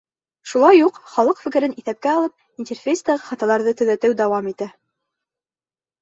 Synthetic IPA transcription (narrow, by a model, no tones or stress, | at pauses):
ʃulˠɑjːuqχɑlˠɤqfɘ̆kɘ̆ɾɘniθæp̚kæɑlˠɤp̚ | inʲtʲerfʲejsd̪ɑʁɑχɑt̪ɑlˠɑɾðɤt̪ɵ̆ðæt̪ɘwd̪æwɑmit̪æ